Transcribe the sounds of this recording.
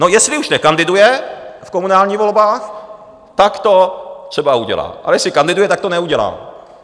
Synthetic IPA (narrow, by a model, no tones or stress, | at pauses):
nojɛslɪuʃnɛkand̪ɪdujɛfkomunaːlɲiːvo̞lbaːx | t̪akt̪ot̪r̥ɛbauɟɛ̰la̰ːʔa̰lɛjɛslɪkand̪ɪdujɛt̪ak̚t̪onɛuɟɛla̰ː